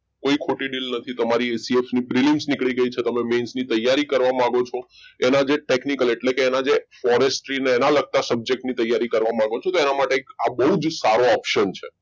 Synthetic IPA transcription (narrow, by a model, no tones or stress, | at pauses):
koikʰoʈiɖilnət̪ʰit̪əmaɾiesiefnibɾiliŋsnikɭiɡəit͡ʃʰet̪əmemensnit̪əjːaɾikəɾʋamãɡot͡ʃʰo | enad͡ʒeʈeknikəleʈlekeːnad͡ʒefɔɾesʈɾineːnaləɡ̚t̪asəb̚d͡ʒek̚ʈnit̪əjːaɾikəɾʋamãɡot͡ʃʰot̪oenamaʈeekabəɦud͡ʒsaɾoɔpʃənt͡ʃʰe